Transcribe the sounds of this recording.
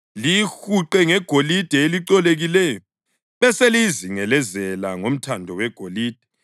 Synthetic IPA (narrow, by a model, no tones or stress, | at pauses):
lixuǃɛŋɛɡ̥ʱolid̥ʱɛeliǀɔleɣilɛjɔ | βɛseliziŋɛlɛzɛlaŋom̩tʰandʱɔwɛɡ̥ʱoliːd̥ʱɛ̥